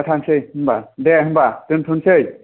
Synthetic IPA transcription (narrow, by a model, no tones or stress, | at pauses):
atʰansɯjhɯmbadeɦɯmbatɯntʰunsɯj